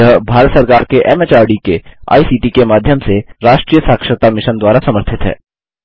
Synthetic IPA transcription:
əɦbʱaːɾət̪səɾkaːɾkeʔɛmet͡ʃaːɾɖikea̰ːisiːʈikemaːd̪ʱjəmseɾaːʃʈɾiːjəsaːkʃɾət̪amɪʃənd̪waːɾasɐməɾt̪ʰɪt̪ɦɛ̰ː

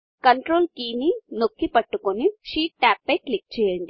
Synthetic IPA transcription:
kɐɳʈɾoːlkiːninokːipɐʈːukuniʂiːʈ̚ːaːpːɐjklik̚t͡ʃɛːjɐɳɖi

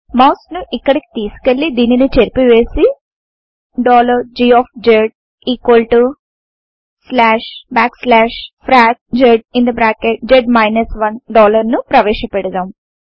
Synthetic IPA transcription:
mɐwsnuʔikːɐɽiki̥t̪iːsu̥kelːid̪iːninit͡ʃeɾpiʋe̞ːsi | ɖɔːlɐɾd͡ʒiːɔːpd͡ʒeɖ̚ | iːkʋɐlʈu | slaːʂbaːkslaːʂpʰɾaːk̚d͡ʒeɖ̚ind̪ɐbɾaːkeʈ̚d͡ʒeɖmɐjnɐsʋɐnɖɔːlɐɾnupɾɐʋeːʂɐpɛɽɐd̪aːm

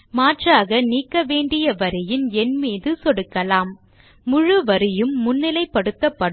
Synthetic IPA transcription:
maːʈraːɣɐniːkːɐʋeːɳɖɪjɐʋɐɾɪjɪnɛnmiːðɯsɔɽɯkːɐlaːmː | ʊɻɯʋɐɾɪjɯmːʊnːɪlɐɪpːɐɽɯt̪ːɐpːɐɽ

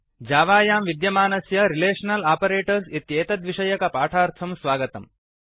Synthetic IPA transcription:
d͡ʒaːʋaːjaːmʋid̪jɐmaːnɐsjɐɾileːʂɐnɐlaːpɐɾeːʈɐɾsit̪jeːt̪ɐd̪ʋiʂɐjɐkɐpaːʈʰaːɾt̪ʰɐmsʋaːɡɐt̪ɐm

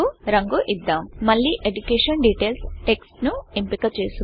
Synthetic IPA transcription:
uɾɐŋɡuʔid̪ːaːmmɐɭːiʔeɖukeːʂɐnɖiːʈeːlsʈe̞ksʈnuimpikɐt͡ʃeːsu

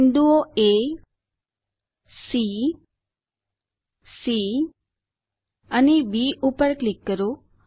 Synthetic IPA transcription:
nd̪uoe | si | si | ənebiʔupəɾklikːəɾo

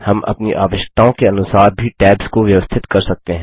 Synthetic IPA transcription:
hɐmʔɐ̰pniʔa̰ːʋɪʃt̪aõkeɐnʊsaːɾ̚bʱiʈɛːbz̥koʋjɐʋəst̪ʰɪt̪kɐɾsɐk̚t̪eɦɛ̃ː

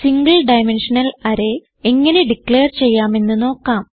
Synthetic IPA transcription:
siŋɡɐɭɖɐjme̞nʂɐnɐlɐɾe̞ | eŋːɐne̞ɖikɭe̞ːrt͡ɕe̞jːaːme̞nːɨno̞ːkːaːm

